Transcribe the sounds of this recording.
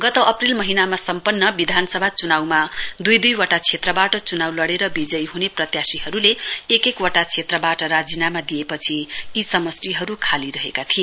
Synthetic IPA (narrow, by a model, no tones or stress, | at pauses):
ɡʌt̪ʌʔʌprilmʌɦinamasʌmpʌnːʌbid̪ʱanʌsʌbʱat͡sunawmad̪ujd̪ujwʌʈat͡sʰet̪rʌbaʈʌt͡sunawlʌɽeɾʌbid͡zʌjɦuneprʌt̪jasiɦʌɾuleːkekwaʈat͡sʰet̪rʌbaʈʌɾad͡zinamad̪ijepʌt͡sʰiːsʌmʌsriɦʌɾukʰaliɾʌɦekat̪ʰie